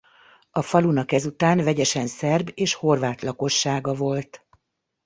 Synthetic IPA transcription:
ɒfɒlunɒkɛzut̪aːnvɛɟɛʃɛnsɛrbeːʃho̞rvaːt̪lɒko̞ʃːaːɡɒvo̞lt̪

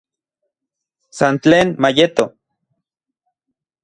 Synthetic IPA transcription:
sant͡ɬeːnmajet̪o

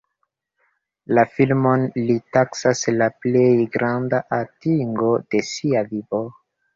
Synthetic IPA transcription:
lafilmo̞nlitaksaslaple̞jɡɾandaʔatiŋɡo̞d̥e̞siavivo

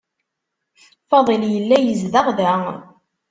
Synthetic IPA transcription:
fɑðˤɨljəlːæjəzðaʁðæ

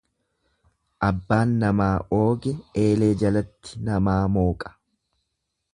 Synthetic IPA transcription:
ʔɐbːaːnːɐmaːʔo̞ːɡɛe̞ːle̞ːd͡ʒɐlɐt̪ʰːɪ̥nɐmaːmo̞ːkʼɐ̥

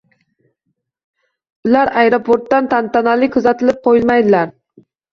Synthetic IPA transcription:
ʊlaɾajɾopʰoɾt̪ːant̪ʰant̪analɪkʰʊzat̪ʰɪlɪp̚qʰojɪlˠmajd̪ɪlaɾ

